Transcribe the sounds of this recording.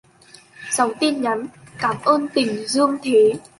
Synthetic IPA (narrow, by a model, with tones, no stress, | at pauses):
sa˨˦wt̪i˧ənɲa˨˦nkaː˧˩mʔəː˧nt̪ï˨˩ŋ̟zɨ˧əŋt̪ʰe˨˦